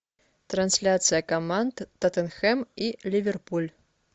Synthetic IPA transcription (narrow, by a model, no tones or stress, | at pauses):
t̪ɾansʲlʲat̪sɨjɐkamant̪ːɐt̪ɛnxɛmilʲivʲɛrpulʲ